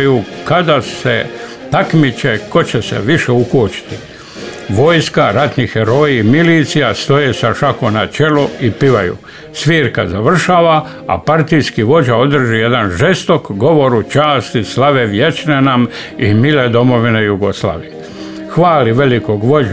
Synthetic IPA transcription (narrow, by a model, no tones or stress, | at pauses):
jukad̪asḛ | t̪akmit͡ʃeko̞t͡ɕesḛʋiʃe̞ukoːt͡ʃi̥t̪i̥ | ʋo̞jskaɾat̪nixeɾo̞iːmiliːt̪sijast̪o̞jesaʃakomnat͡ʃe̞loipiʋajṵ | sʋiːɾkazaʋr̩ʃaːʋa | a̰paɾt̪ijskiʋo̞d͡ʒaod̪r̩ʒije̞d̪anʒe̞st̪okɡo̞ʋo̞ɾut͡ʃaːst̪islaʋeʋje̞t͡ʃnenam | imiled̪o̞mo̞ʋinejuɡo̞sla̰ːʋije | xʋaːliʋe̞likoɡʋo̞d͡ʒ